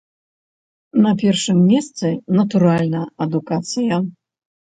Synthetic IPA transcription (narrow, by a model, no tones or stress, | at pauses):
nɐpʲɛrʂɨmːʲɛst̪sɨnɐt̪uɾalʲnɐɐd̪ukat̪sɨjɐ